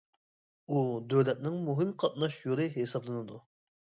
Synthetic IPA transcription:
ud̪øwlɛt̪̚nɪŋmuɦɨmqʰɑt̪̚nɑʃjoɾˠɨɦesɑblˠɨnɨd̪u

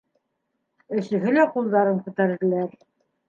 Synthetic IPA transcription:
ɵ̆sɵ̆ɦɵlæqulˠd̪ɑɾɤmkʉ̆t̪æɾ̆ðɘ̆læɾ

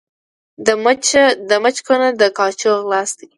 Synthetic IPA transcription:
d̪əmat͡ʃkonad̪əkɑt͡ʃoɣlɑsd̪i

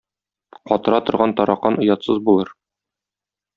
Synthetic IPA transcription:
qɒt̪ɤ̆ɾɑt̪ŏɾʁɑnt̪ɒɾɑqɑnŏjɑt̪sɤzbulˠɤɾ

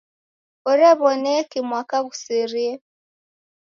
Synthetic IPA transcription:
ɔɾiaβɔnekimwakaɣusiɾie

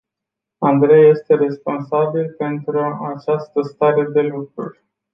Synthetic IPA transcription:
and̪ɾe̞jːe̞st̪e̞ɾe̞spo̞nsabilpe̞nt̪ɾuat͡ʃast̪əst̪aɾe̞d̪e̞lukɾurʲ

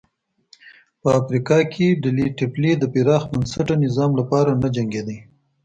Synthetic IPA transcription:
pəafɾikɑkʰeɖ̪əliʈɪpled̪əpiɾɑxbansaʈanɪzɑmlapɑɾanad͡ʒaŋɡed̪aj

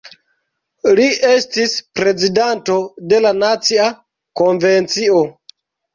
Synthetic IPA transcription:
liʔe̞stispɾe̞zidanto̞de̞lanat͡sia | konve̞nt͡sio̞

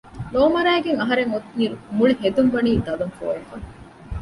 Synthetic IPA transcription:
noːmɐɾæːɡeŋɐɦɐɾeŋot̪niːɾumuɭiɦed̪uŋʋɐniːd̪ɐlɐŋfo̰ːekɐŋ

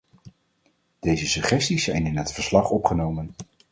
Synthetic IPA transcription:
d̥ejzəsɵχɛstisːɛjnɪnɦətfəɹslɑχɔpχənowmən

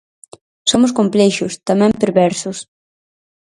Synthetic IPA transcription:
somʊskomplɛʃʊst̪amɛ̃mpeɾβɛɾsʊs

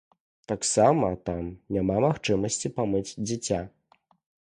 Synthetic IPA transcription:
t̪aksamɐt̪amnʲamamaxt͡ʂɨmɐsʲt͡sʲipamɨd͡zʲd͡zʲɛt͡sʲa

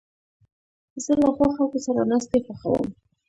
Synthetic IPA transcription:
z̥əlaɣwaxalkosaɾamɾast̪efaxa̰wə̰m

